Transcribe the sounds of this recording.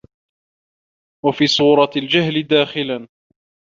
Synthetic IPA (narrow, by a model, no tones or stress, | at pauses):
wafiːsˤuːɾˤɑld͡ʒaɦlɪd̪aːxɪlan